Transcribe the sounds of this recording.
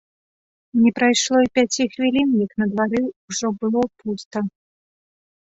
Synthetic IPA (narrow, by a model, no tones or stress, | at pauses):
nʲɛpɾajʂlˠɔipʲat͡sʲixvʲilʲinjɐknɐd̪vaɾɨuʐɔbɨlˠɔpust̪ɐ